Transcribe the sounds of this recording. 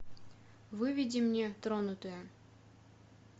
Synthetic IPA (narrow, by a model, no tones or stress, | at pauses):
vɨvʲidʲimnʲet̪ɾonut̪ɨjə